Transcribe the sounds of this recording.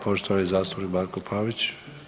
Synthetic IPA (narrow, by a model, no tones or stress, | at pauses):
poʃt̪oʋaizaːst̪u̥pnikmaːɾkopʰaːʋit͡ɕ